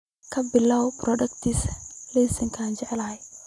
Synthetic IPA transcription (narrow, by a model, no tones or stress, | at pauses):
kʰɐbɪlːawbɾʔɔdɐkt̪islesɪŋkʰand͡ʒɛʕɛlahɐj